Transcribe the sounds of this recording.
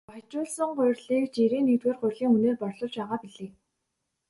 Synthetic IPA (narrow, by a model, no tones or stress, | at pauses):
at͡ɕʊːɮsə̆ŋɢʊjrɮiːkt͡ɕiɾeːnːit̪weːrɢʊjrɮiːŋuneːrpɔrɮʊ̆t͡ɕpæːʁaːpiɮeː